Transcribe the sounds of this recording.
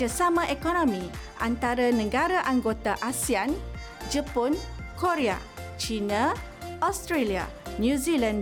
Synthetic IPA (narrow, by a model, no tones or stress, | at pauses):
asamãʔekonõmĩʔa̰nt̪aɾanə̃ɡaɾaʔaŋɡot̪aʔasian | d͡ʒəpɔnkoɾea̰ | t͡ʃinã | ʔast̪ɾelia̰njũzilãn